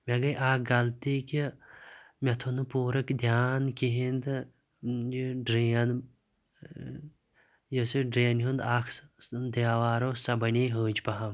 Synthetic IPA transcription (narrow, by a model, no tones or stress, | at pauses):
mʲeɡɐjʔaːk̚ɡɐlt̪iki | mɐt̪ʰunɨpuːɾɐkd̪ʲjaːnkʲiɦind̪ | jɖɾiɐn | josiɖɾiɐnɦund̪aːkd̪ewaːɾoːsɐbɐnʲiːɦəːd͡ʒpɐɦɐm